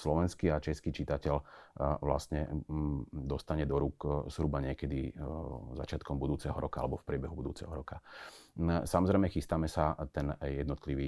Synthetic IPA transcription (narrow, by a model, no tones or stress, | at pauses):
slɔʋɛnskiat͡ʃɛskiːt͡ʃit̪acɛʎʋla̰st̪ɲɛ̰ | d̪ɔst̪aɲɛd̪ɔɾuːkz̥ɦɾubaɲɪɛkɛd̪i | za̰t͡ʃɪat̪̚kɔmbud̪uːt͡sɛɦɔɾʔɔkaa̰lɛbɔfpɾɪɛbɛɦubud̪uːt͡sɛ̰ɦɔɾɔka | samɔzɾɛɪmɛxist̪aːmɛsat̪ɛnjɛd̪nɔt̪liʋiː